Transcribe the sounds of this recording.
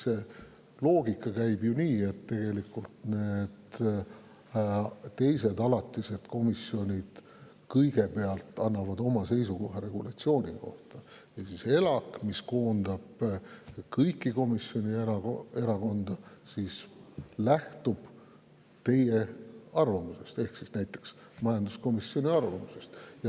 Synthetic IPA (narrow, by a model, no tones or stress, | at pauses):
se | lo̞ːɡikːˑɑkæjb̥juniːe̞t̪ːe̞ɡ̥e̞likult̪ne̞d̪ | t̪e̞jse̞d̪ɑlɑt̪ːˑise̞d̪̥ko̞misio̞nʲid̪̥ | kɤjɡ̥e̞peɑlt̪ˑɑnːɑvɑd̪o̞mɑse̞jsuko̞ɦɑɾe̞ɡ̥ulɑt̪sio̞ːnʲḭko̞̰ht̪ɑ | jɑsise̞lɑkmisko̞ːnd̪̥ɑb̥ | kɤjkːˑiko̞misjo̞nʲieɾɑe̞ɾɑko̞nd̪̥ɑsislæht̪ub̥ | t̪e̞jeɑrvɑmuse̞st̪e̞hksisnæjt̪ːˑe̞ksmɑjɑnd̪̥usko̞misːio̞nʲiɑrvɑmuse̞st̪jɑ